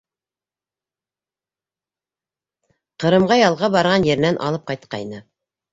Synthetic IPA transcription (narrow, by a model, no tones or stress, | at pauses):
qɤ̆ɾɤ̆mʁɑjɑlˠʁɑbɑɾʁɑnjɘ̆ɾ̆nænʔɑ̰lˠɤp̚qɑjt̪qɑ̰jnɤ